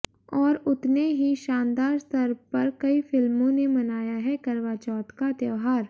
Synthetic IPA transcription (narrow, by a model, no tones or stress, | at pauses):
ɔːɾʊt̪neɦiʃãːnd̪aːɾst̪ɐɾpɐɾkɐifɪlmõnemɐnaːjaɦɛkɐɾʋaːt͡ʃɔːt̪kad̪jəʋɦaːɾ